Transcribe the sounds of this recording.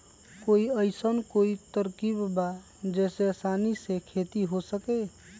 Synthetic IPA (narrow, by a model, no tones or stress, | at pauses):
koiəɪsənkoit̪əɾkibba | d͡ʒɛːsesaːnisekʰet̪iɦosəke